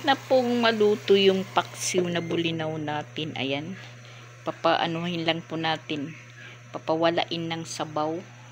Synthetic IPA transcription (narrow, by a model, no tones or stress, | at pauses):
nɐpʊŋmɐluːt̪ʊjʊŋpɐk̚sɪwnɐbʊlɪnawnaːt̪ɪnʔɐ̰jan | pɐpɐʔɐ̰nohɪnlɐŋpʊnaːt̪ɪn | pɐpɐwɐla̰ʔɪnːɐŋsɐbaw